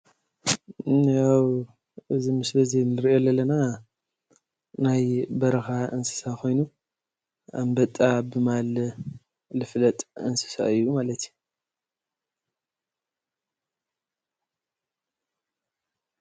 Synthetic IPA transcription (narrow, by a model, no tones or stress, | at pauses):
jaw | ʔɨzimɨslɐzenɨɾʔo̞lɐlɐna | najbɐɾɐxaɨnsɨ̥sakʰo̞jnu | ambɐt̪ʼabɨmalː | ɨflɐt̪ʼɨ̰nsɨ̥sa̰ɨjːumalɐt̪ʰju